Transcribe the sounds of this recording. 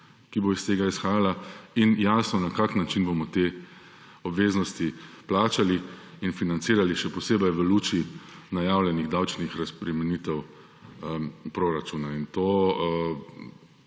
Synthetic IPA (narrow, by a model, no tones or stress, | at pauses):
kiboist̪eːɡaisxaːjalainjaːsnɔnakaːknat͡ʃinbomɔt̪eː | ɔbʋeːznɔst̪iplaːt͡ʃali | infinant̪siːɾaliʃɛpɔseːbɛjʋəluːt͡ʃinajaːwlʲjɛniɣd̪awt͡ʃnixɾaspɾɛmɛniːt̪ɛw | pɾoɾat͡ʃuːnaint̪oː